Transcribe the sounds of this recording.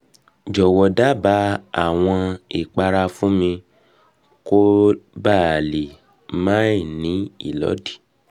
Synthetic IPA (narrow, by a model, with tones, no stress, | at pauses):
d͡ʒɔ˨wɔ˧da˦ba˨˦a̰˦˨w̃ɔ̃˧i˨k͡pa˧ɾa˧fũ˨˦mĩ˧ | ko˦ba˦˨le˨ | mã˦i˦˨nĩ˨˦ḭ˦˨lɔ̰˨˦di̥˦˨